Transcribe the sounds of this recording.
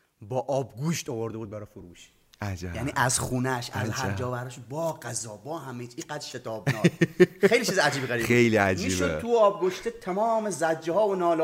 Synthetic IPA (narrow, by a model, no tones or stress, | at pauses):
bɒːʔɒːbɡuːʃt̪ɔvoɾd̪ebuːd̪̚bæɾɒːfoɾuːʃ | ʔæd͡ʒjæniːʔæzxuːnæʃæ̰zæɾd͡ʒɒːbæɾɒʃbɒːɡæzɒːbɒːhæmejt͡ʃiɡæd̪ɾʃet̪ʰɒːbnɒːxejlit͡ʃizæd͡ʒiːbɡæɾiejliæd͡ʒmibouɒːb̚ɡoʃt̪et̪ʰæmɒːmezæd͡ʒːehɒːvonɒːl